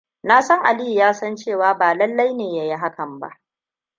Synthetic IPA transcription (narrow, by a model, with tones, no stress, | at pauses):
na˦sɐ˦ŋʔa˨li˦hi˨jaː˦sɐ˦nt͡ʃeː˦˨waː˦baː˨lɐ˦lːa˦jneː˨ja˨ji˦ɦa˦kɐ˨mba̰˦ʔ